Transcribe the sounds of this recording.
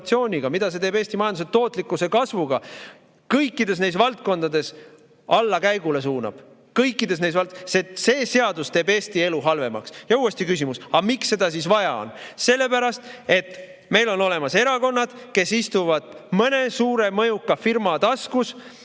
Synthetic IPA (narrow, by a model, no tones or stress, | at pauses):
t̪sio̞ːnʲiɡ̥ɑmid̪̥ɑs̬e̞t̪eːbeːsʲt̪imɑjɑnd̪set̪ːo̞ːt̪ːˑlikːˑuse̞kɑsvuɡ̥ɑ | kɤjkːˑid̪e̞s̬ne̞jsvɑlt̪̚ko̞nd̪̥ɑd̪e̞s | ɑlːɑkæjɡ̥ule̞s̬uːnɑ̰b̥ | kɤjkːˑid̪e̞s̬ne̞jsvɑlsese̞ːse̞ɑd̪̥ust̪e̞ːbe̞ːst̪ie̞luɦɑlve̞mɑ̰ksjɑuːe̞st̪ikysʲimusɑmiksːe̞d̪̥ɑs̬isvɑjɑo̰nse̞lːe̞pæɾɑst̪e̞t̪ːˑ | me̞jlo̞no̞le̞mɑse̞ɾɑko̞nːɑd̪̥ | ke̞sist̪uvɑd̪̥mɤne̞suːɾe̞mɤjukːɑfirmɑt̪ɑskus